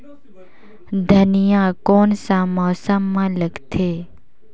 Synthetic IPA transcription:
d̪ʱənijãkoːnsãmɔːsəmːãləɡt̪ʰeː

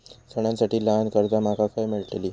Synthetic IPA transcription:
səɳ̃jãnsaʈiːlankəɾd̪amakakʰajmiɭʈleliː

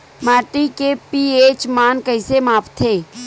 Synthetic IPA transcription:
maːʈikepieːt͡ʃmaːnkəɪsemaːpt̪ʰeː

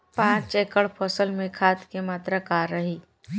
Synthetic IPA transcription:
pãːt͡ʃeːkəɭpʰɔːsəlmẽkʰaːt̪kemaːt̪ɾakaːɾːəɦiː

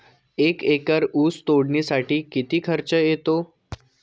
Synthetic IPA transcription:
ekekəɾuːst̪oɽɳisaʈʰiːkit̪iːkʰəɾt͡ɕəjet̪o

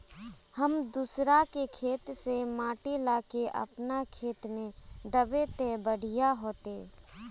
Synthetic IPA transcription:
həmd̪usɾakekʰeːt̪semaːʈelaːkeʔə̰pnakʰeːt̪mẽd̪əbet̪ebəɽ̤ijaɦoːt̪eː

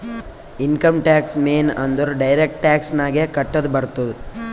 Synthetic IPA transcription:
inkɐmʈaːksmeːnɐnd̪ɐɾuɖɐjɾek̚ʈʈaːksnaːɡekɐʈːɐd̪ubɐɾt̪ud̪u

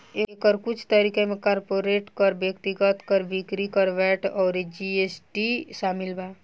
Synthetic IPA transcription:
eekəɾkut͡ʃʰt̪əɾikemekaɾpoɾeʈkəɾbjək̚t̪iɡət̪kəɾbikɾikəɾʋɛʈɔːɾed͡ʒiesʈiʃamilba

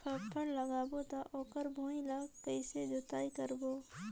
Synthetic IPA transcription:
pʰəpʰːəɽləɡaːbot̪aʔoːkəɾbʱoːĩlaːɡkəɪsed͡ʒot̪aːikəɾboː

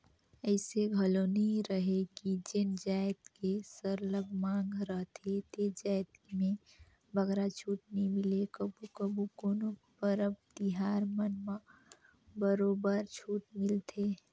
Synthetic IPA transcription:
əɪseɡʱəloniɾəɦekid͡ʒend͡ʒajt̪kesəɾləɡmãŋɡʱɾəɦt̪ʰet̪ed͡ʒajt̪mẽ | bəɡɾat͡ʃʰuːʈnimilekəbukəbukoːno | bəɾəb̚d̪iɦaɾmənmə | bəɾobəɾt͡ʃʰuːʈmilt̪ʰe

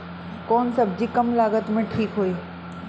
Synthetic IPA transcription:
koːnsəbd͡ʒiːkəmlaːɡət̪mẽʈʰiːkɦoːi

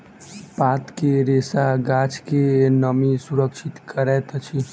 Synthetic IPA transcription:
pat̪keɾesaɡat͡ʃʰkenəmisuɾəkt͡ʃʰit̪kəɾɛt̪t͡ʃʰi

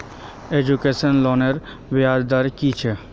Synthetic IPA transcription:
ed͡ʒukesənlɔneɾ | ʋjaːd͡ʒd̪aɾkit͡ʃʰe

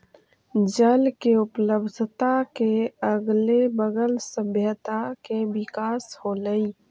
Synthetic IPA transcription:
d͡ʒəlkeʊpləbd̪ʱt̪akeəɡlebəɡəlsəbʱjət̪akebɪkaːsholəi

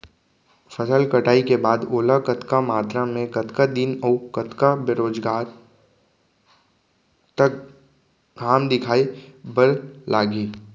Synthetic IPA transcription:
fəsəlkɐʈaːikebaːd̪oːlakɐt̪kamaːt̪ɾamẽkɐt̪kad̪inɔʊkɐt̪kabeɾoːd͡ʒɡaːɾ | t̪ɐk̚ | ɡʱaːmd̪ɪkʰaːibəɾlʔaːɡiː

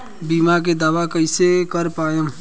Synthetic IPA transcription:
biːmak̬ed̪aːʋakəɪsekəɾpaːjõː

